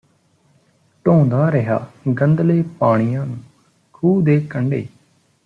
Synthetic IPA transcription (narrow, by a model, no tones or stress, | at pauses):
ʈõːnd̪aːɾəɦa̰ːɡənd̪leːpaːɽ̃ɪjãːnũː | kʰuːd̪eːkəɳɖḛː